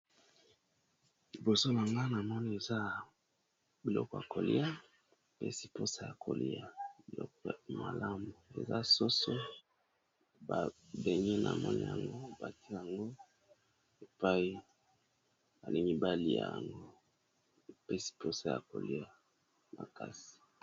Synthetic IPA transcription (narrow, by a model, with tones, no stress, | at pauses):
li˨bo˨so˦na˨ŋɡa˦na˨mɔ˦ni˦e˨za˦ | bi˨lɔ̰˦kɔ˨ja˨ko˨lḭ˦a˦ | pḛ˦si˨po˦sa˦ja˨kʰo̰˨li˦a˨bi˨lɔ̰˦kma˨la˦mbo˨ḛ˨za˦so˦so˦ | ba˨be˨ŋi˦na̰˨mɔ˦nḭ˦ja̰˨ŋɡo˦˨ba˨ti˦ja˨ŋɡo˦ | e˨pa˦i˦ | ba˨li˨ŋɡi˦ba˨li˦˨a̰˨ja˨ŋɡo˦ | pɛ˦si̥˨po˦sa˦ja̰˨ko̰˨li˦a˦ | ma˨ka˦si̥˨